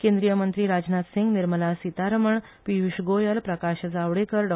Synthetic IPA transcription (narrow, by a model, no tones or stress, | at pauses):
kẽnd̪ɾijəmənt̪ɾiːɾad͡znat̪siŋɡniɾməlasit̪aɾəməɳ | piʋiɕɡojəlpɾəkaɕəd͡zaʋɽekəɾɖ